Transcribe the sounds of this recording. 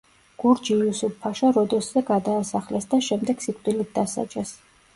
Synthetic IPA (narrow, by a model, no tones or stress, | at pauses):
ɡ̥uɾd͡ʒiusupʰːaʃaɾɔd̪ɛszɛɡad̪aːsaχlɛsd̪aʃɛmd̪ɛɡ̥sikʼd̪ʼilit̪̚d̪asa̰d͡ʒɛs